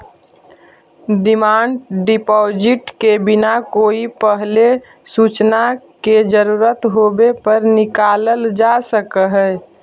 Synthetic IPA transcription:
ɖɪmaːɳɖɖɪpɔːd͡ʒɪʈkebɪnakoːipəɦle | sut͡ʃnaked͡ʒəɾuɾət̪ɦobepəɾnɪkaːləld͡ʒasəkəɦɛ

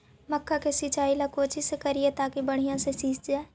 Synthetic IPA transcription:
məkʰːakesit͡ʃaːilakoːt͡ʃisekɐɾiet̪aːkibɐɽ̤ijãsesiːt͡ʃd͡ʒaːe

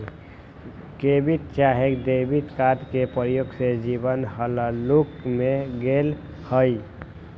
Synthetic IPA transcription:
kebit̪t͡ʃaɦekd̪ebit̪kat̪kepəɾjoɡsed͡ʒibənɦələlukmeɡel | həj

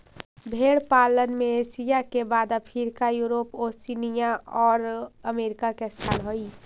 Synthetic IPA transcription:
bʱeɽpalənmeesijakebad̪əpʰiɾkajuɾoposinijaɔːɾəmeɾikakest̪ʰalɦoj

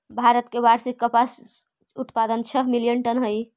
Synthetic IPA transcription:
bʱaɾət̪keʋaɾsikːəpas | ut̪pad̪ənt͡ʃʰəɦmilijənʈənɦəj

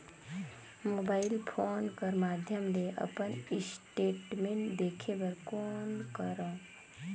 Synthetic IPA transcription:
moːbaɪlpʰoːnkəɾmad̪ʱjəmleʔə̰pənɪsʈeʈmeɳʈd̪ekʰebəɾkoːnkəɾõ

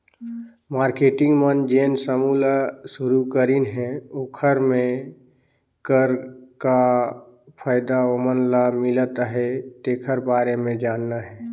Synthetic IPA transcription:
maːɾkeːʈɪ̃ŋɡmənd͡ʒeːnsəmuːlasʊɾukəɾinɦɛoːkʰəɾmẽ | kəɾka | pʰaːɪd̪aomənlamɪlət̪ɦɛt̪eːkʰəɾbaːɾemẽd͡ʒaːnːaɦɛː

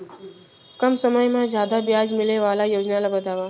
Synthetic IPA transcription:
kəmsəməjmãd͡ʑjad̪abjad͡ʒmileʋalajod͡ʑnalabəd̪ʱaʋa

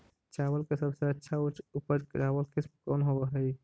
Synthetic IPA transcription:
t͡ʃawəlkesəbsə̃ətːʃʰaut͡ʃupəɾkɾawəlkismkɔnɦoəɦəj

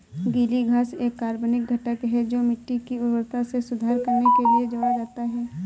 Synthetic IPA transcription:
ɡiːliɡʱaːseːkːaːɾbonɪk̚ɡʱɐʈəkɦɛd͡ʒoːmɪʈːikiʊɾwəɾt̪asesʊd̪ʱaːɾkɐɾnekelied͡ʒoːɽad͡ʒaːt̪aɦɛː

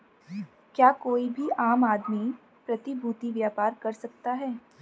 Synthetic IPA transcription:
kjaːkoːibʱiʔaːmaːd̪mi | pɾɐt̪ibʱuːt̪iʋjaːpaːɾkɐɾsɐk̚t̪aɦɛː

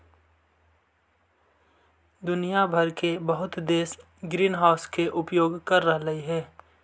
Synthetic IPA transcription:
d̪ʊnijabʱɐɾkebəɦʊt̪d̪eːs | ɡɾiːnɦaːʊskeʔʊpjoːɡkɐɾːəɦɾəɦiɦɛː

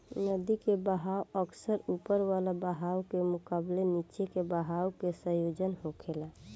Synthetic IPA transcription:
nəd̪ikebəɦawəksəɾupəɾʋalabəɦawkemukablenit͡ʃekebəɦawkesə̃jod͡ʒənɦokʰela

